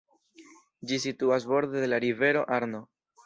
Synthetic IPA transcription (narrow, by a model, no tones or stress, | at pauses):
d͡ʒisituas̬bo̞ɾd̪e̞de̞laɾive̞ɾo̞ʔaɾno̞